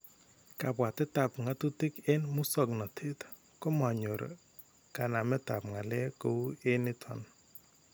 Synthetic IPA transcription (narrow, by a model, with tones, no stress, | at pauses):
ka˨pwa˨tɪ˦ta˨pŋa˨tu˦ti˦ke˦nmu˦sɔ˦˨knɔ˨tʰe˦t | ko˦ma˨ɲo˨ɾ̰ | ka˨na˨mɛ˦ta˨pŋa˨le˦ko˦e˦nɪ˦tʰwɔ̰˨n